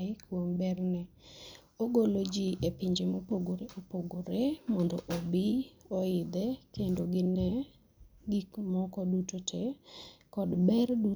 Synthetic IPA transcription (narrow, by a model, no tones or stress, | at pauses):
ɪkwombɛrnɛ | oɡolod͡ʒiʔepiɲd͡ʒemopoɡoɾeʔopoɡoɾemɔndɔʔobɪɔɪd̪ɛkendoɡɪnɛ | ɡikmɔkɔdutotʰekɔdbɛrdu